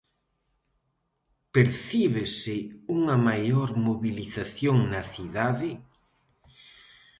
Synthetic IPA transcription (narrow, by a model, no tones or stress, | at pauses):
peɾθiβesɪuŋɐmajoɾmoβiliθaθjoŋnɐθiðaðɪ